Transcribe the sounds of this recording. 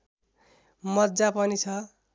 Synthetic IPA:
mʌt̪̚d͡zapʌnit͡sʰʌ

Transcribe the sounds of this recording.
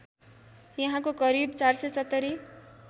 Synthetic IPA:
jʌɦãkokʌɾibt͡sarsʌjsʌt̪ːʌɾi

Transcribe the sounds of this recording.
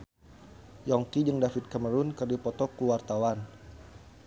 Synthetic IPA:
jɔŋkid͡ʒəŋdafit̪̚kəməɾunkɨrdipɔt̪ɔkuwart̪awan

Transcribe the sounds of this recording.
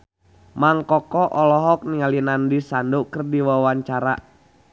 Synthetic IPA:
maŋkɔkɔʔɔlɔɦɔk̚niŋalinandisandukərdiwawaɲt͡ʃaɾa̰

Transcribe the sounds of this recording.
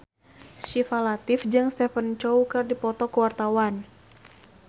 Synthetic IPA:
ʃifalat̪ɪfd͡ʒɨŋst̪ɛfənt͡ʃɔwkɨrdipɔt̪ɔkəwart̪awan

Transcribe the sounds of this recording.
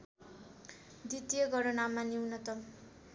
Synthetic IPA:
d̪it̪ijʌɡʌɾʌnamaniwnʌt̪ʌm

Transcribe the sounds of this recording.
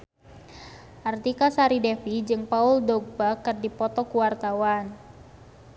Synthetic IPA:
ʔart̪ikasaɾidɛfid͡ʒɨŋpauldɔɡ̚bakɨrdipɔt̪ɔkuwart̪awan

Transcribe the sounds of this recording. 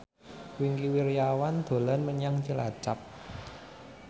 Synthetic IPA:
wiŋkiwiɾjawand̪̥o̤lɔnməɲaŋt͡ʃəla̰t͡ʃap̚

